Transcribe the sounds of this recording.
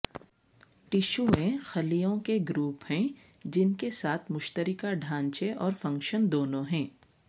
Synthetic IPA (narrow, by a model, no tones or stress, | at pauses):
ʈɪʃuẽxɐlijõkeɡɾuːpɦɛ̃d͡ʒɪnkesaːt̪ʰmʊʃt̪əɾɪkaɖʱãːɲt͡ʃeʔɔːɾfɐ̃ŋkʃənd̪oːnõɦɛ̃ː